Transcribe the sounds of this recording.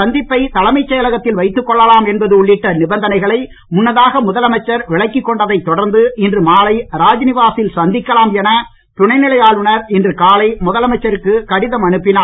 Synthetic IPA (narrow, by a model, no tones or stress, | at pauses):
sɐnd̪ɪpːɐɪt̪ɐlɐmɐɪt͡ʃːɐjɐlɐɣɐt̪ːɪlʋɐɪt̪ːɯkːɔɭːɐlaːmɛnbɐðɯʊɭːɪʈːɐnɪbɐnd̪ɐnɐɪɣɐɭɐɪ | mʊnːɐðaːɣɐmʊðɐlɐmɐt͡ʃːɐɾʋɪɭɐɪkːɪkːɔɳɖɐðɐɪt̪ːɔɽɐɾnd̪ɯɪndrɯmaːlɐɪɾaːd͡ʒnɪʋaːsɪlsɐnd̪ɪkːɐlaːmɛnɐ | t̪ʊɳɐɪnɪɭɐjaːɭʋɯɳɐɾɪndrɯkaːlɐɪmʊðɐlɐmɐɪt͡ʃːɐɾɯkːɯkɐɽɪðɐmɐɳɯpːɪnaː